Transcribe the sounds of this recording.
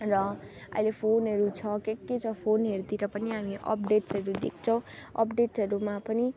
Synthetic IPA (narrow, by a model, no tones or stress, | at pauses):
rʌ | ʌ̰ilepʰonɦʌɾut͡sʰʌkekːet͡sʰʌpʰonɦeɾd̪iɾʌpʌniɦamiʔʌ̰p̚ɖeʈsʌɾud̪ḛk̚ʰt͡sʰʌw̃ʌ̰pɖeʈʌɾumapʌni